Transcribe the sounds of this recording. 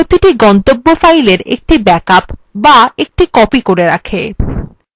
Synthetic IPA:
ot̪iʈiɡɔnt̪obːofajleɾḛk̚ʈibɛkapbaek̚ʈikɔpikoɾeɾa̰kʰe

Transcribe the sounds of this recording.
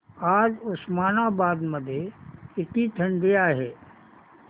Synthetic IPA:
aːɾʊsmaːnabaːd̪məd̪ʱjeɪt̪it̪ʰə̃ɳɖ̪ijaɦɛː

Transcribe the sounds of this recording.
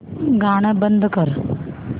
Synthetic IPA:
ɡaɽ̃əbənd̪ʱəkəɾ

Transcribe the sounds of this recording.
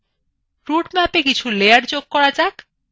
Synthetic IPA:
ɾuʈmɛpekit͡ɕʰulejaɾd͡ʑoɡ̚kɔɾad͡ʑak

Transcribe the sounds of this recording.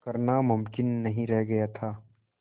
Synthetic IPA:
kɐɾnamʊmkɪnːɐɦĩɾɛɦɡɐjat̪ʰaː

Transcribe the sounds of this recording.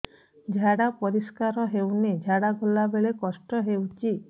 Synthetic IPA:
d͡ʒʱaɽapɔɾiskaɾɔɦewned͡ʒʱaɽaɡʱolːabeɭekɔsʈɔɦewt͡ʃi

